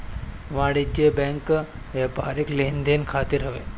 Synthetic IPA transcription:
ʋaɽit͡ɕebɛ̃ŋk | ʋepaɾiklend̪enkʰat̪iɾɦəʋḛ

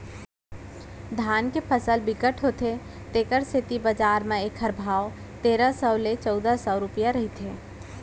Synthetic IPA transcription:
d̪ʱaːnkepʰəsəlbɪɡəʈʰɦot̪e | t̪eːkəɾsʰɪt̪ibəd͡ʒaːɾmẽekʰəɾbʱaːw | t̪eːɾasəːlet͡ʃɔːd̪asɔːɾʊpijaɾɐɦit̪ʰeː

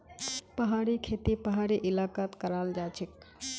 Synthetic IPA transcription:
pəɦaːɾikʰet̪ipəɦaːɾiʔɪlaːkaːt̪kəɾaːld͡ʒaːt͡ʃʰik

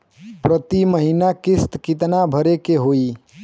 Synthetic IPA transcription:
pɾət̪iməɦinakist̪kit̪nabʱəɾekeɦoi

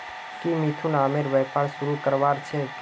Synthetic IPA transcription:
kimit̪ʰunaːmeɾʋɛːpaːɾsʊɾukəɾʋaːɾt͡ʃʰe

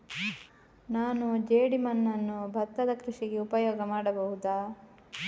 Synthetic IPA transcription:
naːnud͡ʒeːɽimɐnːɐnːubʱɐt̪ːɐd̪ɐkɾiʂiɡeupɐjoːɡɐmaːɽɐbɐɦud̪aː

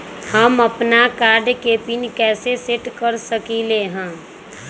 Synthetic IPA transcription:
həməpnakaːɾɖkeːpinkɛːseseʈkəɾsəkileɦɛ̃ː

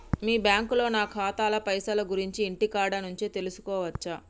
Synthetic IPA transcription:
miːbjaːŋkulo̞ːnaːkʰaːt̪aːlɐpɐjsɐlɐɡuɾiɲt͡ʃiːɳʈikaːɖɐnuɲt͡ʃeːt̪e̞lusu̥kɔːʋɐt͡ʃːɐ

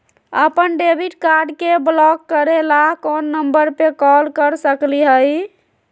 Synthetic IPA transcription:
əpənɖebiʈkaɾɖkeblɔkːəɾelakonːəmbəɾpekɔlkəɾsəkliɦəj

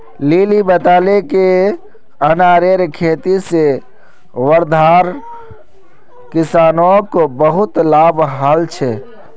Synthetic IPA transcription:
lilibət̪aːleke | ənaːɾeɾkʰeːt̪ise | ʋəɾd̪ʱaɾ | kisaːnõkobəɦʊt̪labɦalt͡ʃʰɛ

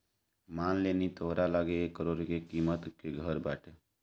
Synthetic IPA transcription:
maːnleːnit̪oɦɾalaːɡeekːəɾoːɾkekimət̪keɡʱəɾbaːʈʰe

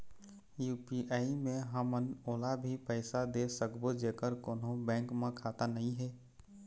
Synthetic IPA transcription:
juːpiʔaːimẽɦəmənoːlabʱipəɪsad̪esəkbod͡ʒeːkəɾkoːnõbɛ̃ːŋkmãkʰaːt̪anəɦĩɦɛː

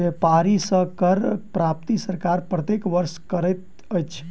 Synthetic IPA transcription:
epaɾisə̃kəɾpɾap̚t̪isəɾkaɾpɾət̪ekʋəɾskəɾəjt̪̚ | əjt͡ʃʰ

